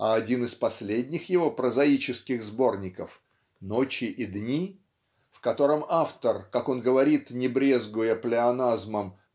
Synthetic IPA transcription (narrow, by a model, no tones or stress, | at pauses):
ɐɐdʲinɨspɐsʲlʲedʲnʲɪxjɪvo̞pɾəzɐit͡ɕɪskʲɪɣzbo̞rnʲɪkəf | no̞t͡ɕɪʔid̪nʲi | fkɐt̪o̞ɾəmaft̪ərkako̞nɡəvɐɾʲit̪nʲɪbɾʲezɡʊjəplʲɪɐnazməm